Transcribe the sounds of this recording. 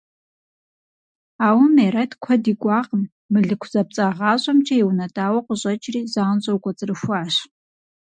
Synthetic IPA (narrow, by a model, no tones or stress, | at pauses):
aːwmeɾɐtʰkʷʰɔdiɡʷʼɑːqʼəm | mɨɮɨkʷʰzɐp̚t͡sʼaːʁɑːɕʷʼɐmt͡ʃʰʼɐiwnɐdʼaːwɐqʷəɕʼɐt͡ʃʼriːzaːnɕʼɐwɡʷʼɐt͡sʼɨrɨʃʷaːʃ